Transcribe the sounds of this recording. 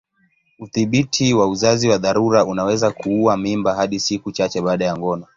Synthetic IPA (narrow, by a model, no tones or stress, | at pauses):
uθiɓitʰiwauzaziwaðaɾuɾaunawɛzakuuwamimbaɦaɗisikut͡ʃat͡ʃɛɓaːɗajaŋɡɔna